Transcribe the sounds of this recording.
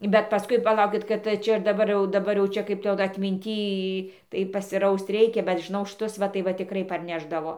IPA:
bʲɛt pɐˈskʊɪ pɐˈlˠɐʊkʲɪt kɐt ˈt͡ʃʲɛ ɪr dɐˈbɐr jɛʊ dɐˈbɐr jɛʊ ˈt͡ʃʲɛ ˈkɐɪp tɐɪ ˈjɛʊ dɐ ɐtʲmʲɪnʲˈtʲiː tɐɪ pɐsʲɪˈrɐʊst ˈrʲɛɪkʲɛ bʲɛt ʒʲɪˈnɐʊ ʃˈtʊs ˈʋɐ tɐɪ ˈʋɐ tʲɪˈkrɐɪ pɐrʲˈnʲæːʒdɐʋoː

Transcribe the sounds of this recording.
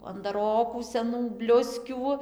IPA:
ɐndɐˈroːkuː sʲɛˈnuː ˈbʲlʲʊsʲkʲuː

